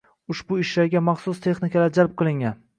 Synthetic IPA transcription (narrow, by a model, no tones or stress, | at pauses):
ʊʃbʊɪʃlaɾɡʲamɑχsʊst̪ʰe̞χnɪkʰʲalaɾd͡ʒalp̚qɨlˠɪŋʲan